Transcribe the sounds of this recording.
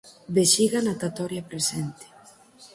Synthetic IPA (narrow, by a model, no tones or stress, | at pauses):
beʃiɣanat̪at̪ɔɾjapɾesɛnt̪ɪ̥